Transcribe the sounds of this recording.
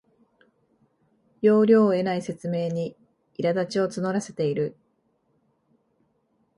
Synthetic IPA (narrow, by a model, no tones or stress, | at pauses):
jo̞ːɾʲo̞ːe̞naise̞t͡sɨme̞ːɲ̟i | iɾad̪at͡ɕio̞t͡sɨno̞ɾase̞̥t̪e̞iɾɯ̟